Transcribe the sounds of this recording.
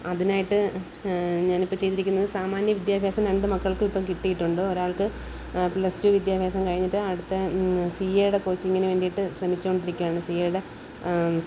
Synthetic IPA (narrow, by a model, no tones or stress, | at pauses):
ɐðinaːjiʈːɨ | ɲaːnipːomt͡ɕe̞jt̪iɾikʲːunːɐðɨsaːmaːnjɐʋid̪jaːbʱjaːsɐmɾeɳɖɨmɐkːɐɭkɨipːɐːkiʈːijiʈːuɳɖɨoɾaːɭkɨ | plɐstuʋid̪jaːbʱjaːsɐmkɐɻiɲːiʈːɨɐɽut̪ːesiːjejuɽekoːt͡ɕːiŋːɐneʋeːɳɖijiʈːɨɕrɐmit͡ɕːuoɳɖiɾikʲːuʋaːɳɨsijeːjuɽe